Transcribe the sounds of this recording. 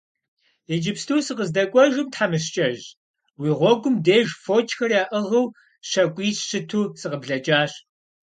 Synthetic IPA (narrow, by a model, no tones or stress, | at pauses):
ed͡ʒɪpstʰuːsɨqəzdɐkʷʼɔʒʊmtħamɨɕt͡ʃʼɐʒ | wiːʁʷɔɡʷʊmdeːʒfoːt͡ʃʼxɐrjaːʔəʁɐw | ɕɐkʷʼiːsɕɨtʰuːsɨqəbɮɐt͡ʃʼaːɕ